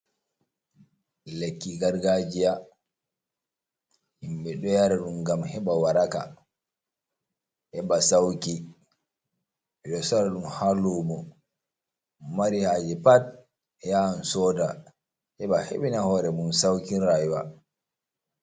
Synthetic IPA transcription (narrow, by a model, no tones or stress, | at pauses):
lekːiɡaɾɡad͡ʒia | himɓɛɗɔjaɾaɗumɡamhɛɓawaɾaka̰ | ʔɛɓasawki | ɓɛɗɔsɔɾaɗumhalumɔ | maɾihaːd͡ʒɛpat̚ | ɛjansɔda | ʔɛɓahḛɓinahɔɾɛmumsawkiɾajwa